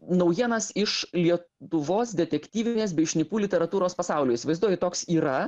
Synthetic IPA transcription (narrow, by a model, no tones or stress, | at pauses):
nɐʊjiɛnɐsɪʃlʲiɛtʊʋoːsd̪ʲɛt̪ʲɛkʲt̪ʲiːʋʲɪnʲeːs̬bʲɛɪʃʲnʲɪpuːlʲɪt̪ʲɛɾɐt̪uːɾoːspɐsɑˑʊlʲʊːɪsʲɪʋɐɪzd̪uɔjʲɪt̪oːksiːɾɐ